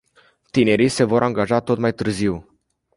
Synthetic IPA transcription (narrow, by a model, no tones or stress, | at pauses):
t̪ine̞ɾijse̞vo̞ɾʔaŋɡaʒat̪o̞t̪majt̪ɨrziw